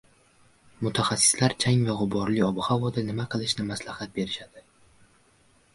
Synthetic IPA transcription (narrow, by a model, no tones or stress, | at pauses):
mʊt̪ʰaχasːɪ̥slaɾt͡ʃʰaŋvaʁʊbɒɾliɒbɨhavɒd̪anɪmaqʰɨlˠɪʃnɪmaslahat̪̚be̞ɾɪʃad̪̥ɪ